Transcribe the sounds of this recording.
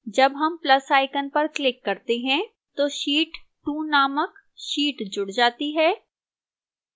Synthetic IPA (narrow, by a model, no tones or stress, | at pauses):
d͡ʒɐbɦɐmplɐsaːɪkənpɐɾklɪkːɐɾt̪eɦɛ̃ | t̪oːʃiːʈʈuːnaːmək | ʃiːʈd͡ʒʊɽd͡ʒaːt̪iɦɛː